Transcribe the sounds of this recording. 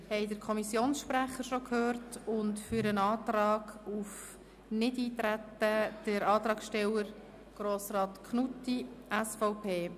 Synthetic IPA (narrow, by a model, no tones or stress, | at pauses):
hɛɪdəɾkʰɔmisjoːnsʃpɾæχəɾʃokʰhøːrtʊntfyɾənɑːt̪ɾɑːɡ̥uf | nɪdiːt̪ɾætːəd̥əɾɑːt̪ɾɑːksʃtɛləɾ | ɡ̥ɾoːsɾɑːt̪kʰnutːiʔɛsfɔʊpʰeː